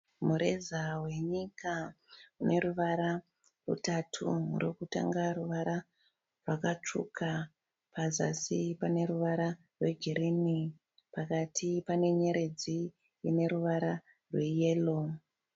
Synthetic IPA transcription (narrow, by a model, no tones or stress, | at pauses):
muɾe̞zawe̞ɲikaune̞ɾuʋaɾa | rṵtatʰṵrokuta̰ŋɡaɾuʋaɾa | rwakat͡ʂṵka | paza̰sipane̞ɾuʋaɾa | rwe̞ɡʱiɾini | pakatʰipane̞ɲe̞ɾe̞d͡ziː | ne̞ɾuʋaɾa | rweje̞ːlo